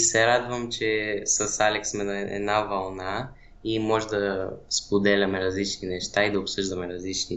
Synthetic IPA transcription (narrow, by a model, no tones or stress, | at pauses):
sɛɾad̪vəmt͡ʃɛsɐsalʲɛksmɛnɐɛ̰d̪navɐlˠna | imɔʒɛd̪ɐspod̪ɛlʲɐmɛɾɐzlit͡ʃninɛʃt̪aid̪ɐʊpsɤʒd̪ɐmɛɾɐzlit͡ʃni